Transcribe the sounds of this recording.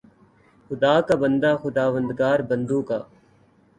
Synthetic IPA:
xʊd̪aːkabənd̪aːxʊd̪aːʋə̃nd̪ɡaːɾbə̃nd̪ũːkaː

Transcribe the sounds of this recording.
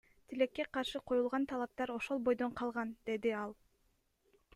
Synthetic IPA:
t̪ʰile̞kːe̞qɑɾʃɯqʰo̞julˠʁɑnt̪ʰɑlˠɑp̚t̪ɑɾo̞ʃo̞lˠbo̞jd̪o̞ɴqʰɑlˠʁɑnd̪̥e̞d̪iɑlˠ

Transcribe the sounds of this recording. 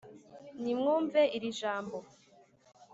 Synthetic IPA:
nimŋuːɱveʔiɾiʒaːmbo

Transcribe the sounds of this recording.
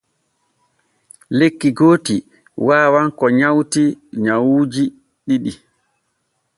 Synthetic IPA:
lekːiɡoːti | waːwaŋkɔɲawtiɲawuːd͡ʒi | ɗiɗi

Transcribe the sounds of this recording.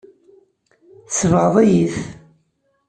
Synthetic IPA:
θsəvʁəðˤæjiθ

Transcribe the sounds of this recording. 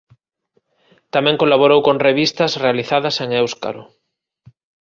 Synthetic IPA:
t̪amẽŋkolaβoɾowkõnreβ̞ist̪azrealiθaðaseŋewska̰ɾo̰

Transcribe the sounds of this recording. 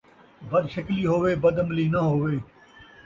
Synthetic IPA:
bɐd̪ʃəkliːɦoːʋeːbɐd̪əmliːnɐɦoːʋeː

